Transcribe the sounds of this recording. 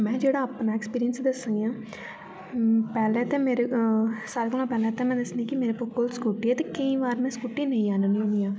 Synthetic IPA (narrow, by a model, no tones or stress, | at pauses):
mɛ̃ːd͡ʒeːɽaɐpnaːekspiːɾijənsd̪ɐsãjãː | pɛːlɛ̃t̪ẽmeːɾesaːlkonãpɛːlɛ̃t̪ɛ̃mɛ̃ːd̪ɐsnĩkimeːɾepoːkoːlskuːʈiɛt̪ekəĩʋaːɾmɛ̃skuːʈinɐ̃ĩaːnəniũnijãː